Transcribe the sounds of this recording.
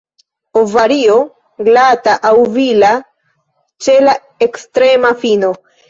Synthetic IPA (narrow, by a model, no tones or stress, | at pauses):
ovaɾio | ɡlataʔawvila | t͡ʃe̞la | ekstɾe̞mafino̞